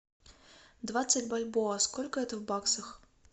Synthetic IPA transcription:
d̪vat̪sːətʲbalʲbɔɐskɔlʲkəɛt̪əvbaksɐx

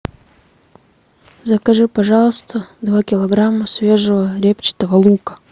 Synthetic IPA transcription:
zəkɐʐɨpɐʐɑlˠst̪ʰəd̪vakʲɪlˠɐɡɾamːəsvʲe̞ʐəvəɾʲept͡ɕɪ̥t̪əvɐlˠukə̥

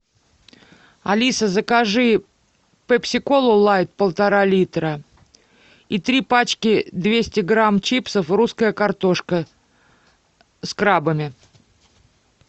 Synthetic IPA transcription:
ɐlʲisəzəkɐʐɨ | pəpsʲɪko̞lˠʊlˠajt̪̚pəlˠt̪ɐɾalʲit̪ɾə | it̪ɾʲipat͡ɕkʲɪd̪vʲesʲtʲɪɡɾamt͡ɕipsəfruskəjəkɐrt̪o̞ʂkə | skɾabəmʲɪ

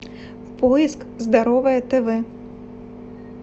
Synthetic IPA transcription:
pɔjisk | zd̪aɾɔvɐjɐt̪ɛvɛ

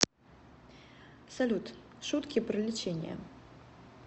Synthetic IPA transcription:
salʲut̪ʂut̪kʲipɾɨlʲit͡ɕenʲjɐ̰

